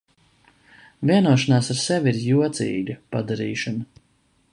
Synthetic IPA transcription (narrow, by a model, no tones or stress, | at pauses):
vʲiɛnuɔʃanaːsaɾsɛvʲiɾjuɔt̪sḭːɡʲapad̪aɾiːʃanɐ